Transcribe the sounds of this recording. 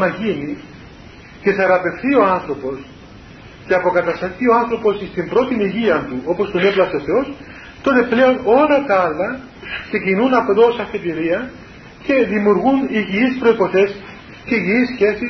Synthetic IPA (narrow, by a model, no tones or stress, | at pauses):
nɐʝini | ce̞sɐɾɐpe̞fθio̞ɐnθɾo̞po̞s | ceɐpo̞kɐt̪ɐst̪ɐθioɐnθɾo̞po̞sist̪imbɾo̞t̪iniʝiɐnt̪uo̞post̪oneplɐso̞θe̞o̞s | t̪o̞t̪e̞ple̞o̞no̞lɐt̪ɐɐlːɐ | ksecinunɐpoðo̞sɐfet̪iɾiɐ | ce̞ðimuɾɣuniʝiispɾo̞ipo̞θe̞s | ceiʝiisçe̞si